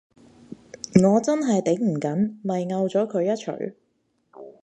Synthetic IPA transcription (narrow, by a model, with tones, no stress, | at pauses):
ŋɔː˨˧t͡sɐ˥nɦɐ˨jt̪e˨˥ŋm̩˨˩kɐ˨˥nmɐ˨jŋɐ˧wt͡sɔː˨˥kʰɵ˨˧ɥjɐ˥t̚t͡ʃʰɵ̰˨˩ɥ